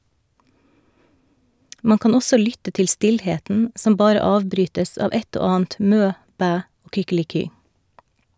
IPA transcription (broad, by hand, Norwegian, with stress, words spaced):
ˈmɑŋ ˈkɑːn ˈɔsɔ ˈlʏtə ˈtɪl ˈstɪlˌheːtn̩ ˈsɔm ˈbɑːɾə ˈɑːʋbɾyːtəs ˈɑːʋ ˈɛt ˈoː ˈɑːn̩t ˈmøː ˈbæː ˈoː kʏkɪlɪˈkyː